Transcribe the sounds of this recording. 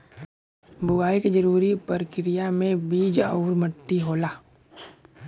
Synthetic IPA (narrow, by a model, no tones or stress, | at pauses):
bʊɡaːiked͡ʒəɾuːɾipəɾkɪɾijamẽbiːd͡ʒəʊɾməʈːiɦoːlaː